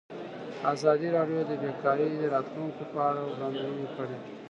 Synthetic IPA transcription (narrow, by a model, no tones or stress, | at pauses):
aːzɑːd̪iɾaɖijod̪əbekaːɾid̪əɾɑːt̪luŋkepaːɾaɣand̪ɾunikəɽe